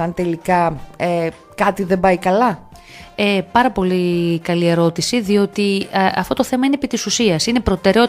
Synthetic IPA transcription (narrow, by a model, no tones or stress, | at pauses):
ɐnt̪e̞likɐe | kɐt̪iðe̞mbɐikɐlɐ | epɐɾɐpo̞likɐlie̞ɾo̞t̪isiðio̞t̪iɐ̰ft̪o̞t̪oθe̞mɐinepit̪isusiɐsine̞pɾo̞t̪e̞ɾeo̞